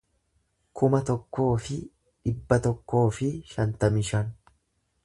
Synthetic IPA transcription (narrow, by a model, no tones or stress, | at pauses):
kʰʊmɐt̪ɔkːo̞ːfɪ | ᶑɪbːɐt̪ɔkːo̞ːfɪʃɐnt̪ɐmɪʃɐn